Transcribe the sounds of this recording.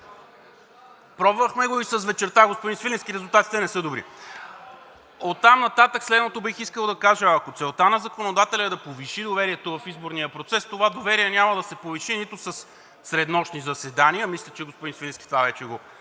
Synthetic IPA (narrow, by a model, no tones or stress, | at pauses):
pɾɔbvəxmɛɡoisɐsvɛt͡ʃɛɾt̪aɡospod̪insfilʲɛnskʲiɾɛzulˠt̪at̪i̥t̪ɛnɛsɤd̪obɾḭ | ot̪ːamnɐt̪at̪əkslɛd̪not̪obixiskəlˠd̪ɐkaʒəːkot̪sɛlˠt̪anɐzɐkonod̪at̪ɛlʲɐɛd̪ɐpoviʃid̪ovɛɾiɛt̪ovɐfizboɾnijəpɾot̪sɛst̪ovad̪ovɛɾiɛnʲamɐd̪ɐsɛpoviʃinit̪ʊsɐsː | ɾɛd̪nɔʃnizɐsɛd̪aniəmislʲət͡ʃɛɡospod̪insfilʲɛnskʲit̪ovavɛt͡ʃɛɡo